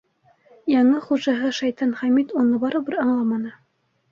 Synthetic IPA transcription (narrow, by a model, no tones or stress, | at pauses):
jɑɴɤχuʒɑɦɤʃɑjt̪ɑnχæmit̪unɤbɑɾɤbɘɾɑɴlˠɑmɑnɤ